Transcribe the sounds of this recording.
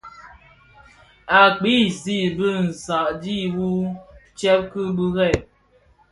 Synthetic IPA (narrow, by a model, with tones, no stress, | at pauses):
a˨k͡pi˦˨zi˦˨bɨ˦n̩˨sa˨ʔdi˦wu˦t͡ʃɛ˦p̚kɨ˦bɨ˦ɣɛ˦˨